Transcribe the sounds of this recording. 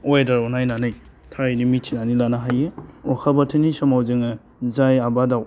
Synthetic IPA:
ojdaɾɔnajnanɯj | tʰajnimitʰinanilanaɦajeɔkʰabatʰɯnisɔmawzɯŋɯ | zajabadaw

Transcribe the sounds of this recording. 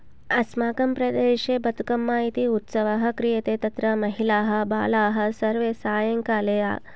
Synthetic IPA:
ɐsmaːkɐmpɾɐd̪eːʃeːbɐt̪ukɐmːaːit̪iut̪sɐʋaɦɐ̆kɾijet̪eːt̪ɐt̪ɾɐmɐɦilaːɦɐ̆ba̰ːlaːɦɐ̆sɐɾʋeːsaːjɐŋkaːleːa̰ː

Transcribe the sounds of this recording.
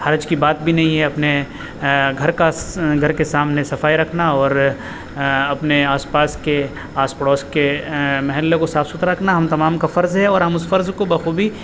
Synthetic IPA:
hɐɾd͡ʒkibaːt̪̚bʱinɐɦĩɦɛɐpne | ɡʱɐɾkaɡʱɐɾkesaːmnesɐfaːiɾɐkʰnaɔːɾ | ɐpneaːspaːske | aːspɽɔːskemɐɦɛlːekosaːfsʊt̪ɾaɾɐkʰnaɦɐmt̪ɐmaːmkafɐɾzɦɛɔːɾɦɐmʊsfɐɾzkobɐxuːbʱi

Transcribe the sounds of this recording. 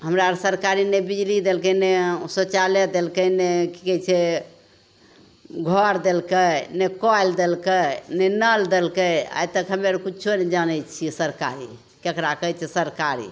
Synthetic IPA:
ɦəmɾaɾsəɾkaɾinebid͡ʒlid̪elkənesot͡ʃaled̪elkəneki̥kɛt͡ʃʰɛ | ɡʱɔɾd̪elkənekɔjld̪elkənenəld̪elkəa̰jt̪əkɦəmeɾkut͡ʃʰoned͡ʒanɛt͡ʃʰisəɾka̰ɾḭ | kekɾakəɦt͡ʃʰɛsəɾkaɾḭ

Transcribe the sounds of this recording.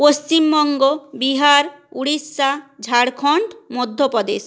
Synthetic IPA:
post͡ʃimbɔŋɡobiɦaɾuɽisːad͡ʒʱaɽkʰɔɳʈmod̪ʱːopɔd̪ḛs

